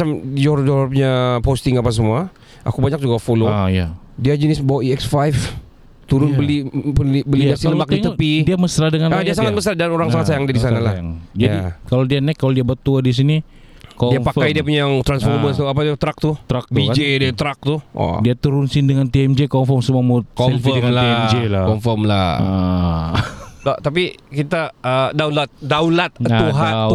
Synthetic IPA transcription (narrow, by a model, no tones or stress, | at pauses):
amd͡ʒoɾd͡ʒoɾpɲapost̪ɪŋapas̬əmua | ʔakubaɲak̚d͡ʒuɡafoloaja̰ | diad͡ʒənɪsməbawaiɛksfajf | t̪uɾʊnbəlipunlibəlidasiləmbak̚iŋt̪əpidiaməsɾadəŋanadiasaŋat̪̚bəsardanoɾaŋsaŋatsajaŋdiadisanala̰a̰ŋd͡ʒadikalodianɛkːalodiabat̪uadis̬ini | kɔdiampafkajdiap̬uɲaŋt̪ɾansforməst̪uapadat̪ɾak̚t̪ut̪ɾak̚tb̪iad͡ʒediat̪ɾak̚t̪ua̰diat̪əɾunsɪndəŋant̪iɛmd͡ʒekɔmfɔmsəmuamut̪̚ksɔmfədəŋalaɛmd͡ʒelakɔmfɔmlaa̰ | dat̪ap̬ikit̪aədawnlat̪̚daulat̪̚uɦaa